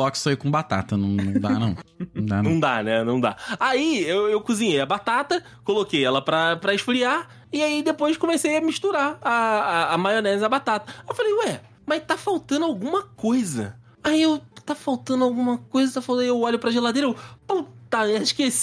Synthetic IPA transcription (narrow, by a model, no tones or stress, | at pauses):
ɔksaiwkõbat̪a̰t̪ɐnɐ̃w̃nɐ̃w̃d̪anɐ̰̃w̃d̪aɐ̃w̃d̪a̰nɛnɐ̃w̃d̪a̰aiewewkuzĩɲejɐbat̪at̪ɐ | kolokejɛlɐpɾɐpɾɐɪʃfɾia | iaid̪epojʃkõmesejɐmiʃt̪uɾaɐːmajonɛzɐbat̪at̪ɐewfalejoɛ | majt̪afawt̪ɐ̃nd̪awɡũmɐkojzɐ | aiewt̪afawt̪ɐ̃nd̪awɡũmɐkojzɐt̪afalwt̪ewɔʎʊpɾɐʒelad̪ejɾɐewpot̪aɛiʃkes